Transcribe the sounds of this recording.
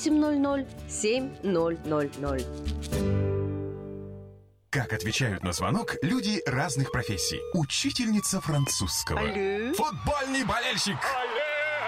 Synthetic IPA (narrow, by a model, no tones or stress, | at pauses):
sʲɪmʲnolʲnolʲsʲemʲnolʲnolʲnolʲ | kakɐt̪vʲɪt͡ɕæjʊt̪nəzvɐ̰nɔklʲudʲɪraznɨxpɾɐfʲesʲːḭjʊt͡ɕːitʲɪlʲnʲɪt̪səfɾɐnt̪suskə̰və̰fʊd̪̚bolʲnɨjbɐlʲelʲɕɪk